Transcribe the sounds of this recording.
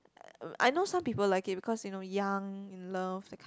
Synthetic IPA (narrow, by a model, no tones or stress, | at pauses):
ʔa̰jnoʊsãmpipəllaɪkit̚bikʰɔsjunojãŋɪ̃nləfdɛkʰ